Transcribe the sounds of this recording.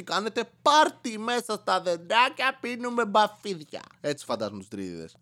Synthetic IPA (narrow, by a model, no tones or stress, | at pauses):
ikanet̪epaɾt̪imɛsast̪aðed̪akapinũmebafiðja̰ɛsi̥fant̪azmust̪ɾḭðḛs